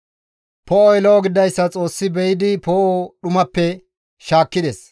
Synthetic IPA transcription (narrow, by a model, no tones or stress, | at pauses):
pɔɔjɛlowɔɡɪd̪ɐjsːɐt͡sʼo̞ːsːɪbɛjɪd̪ɪpoːʔoɗʊmɐpːɛ | ʃaːkːɪd̪es